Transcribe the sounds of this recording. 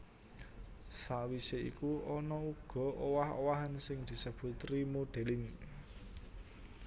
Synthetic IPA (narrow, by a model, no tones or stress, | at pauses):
sawiseḭkuɔnɔuɡ̥ɔ̤ʔowaho̰waɦansɪŋd̪̥i̤səb̥ṳt̪rimoɖ̪̥e̤lɪŋ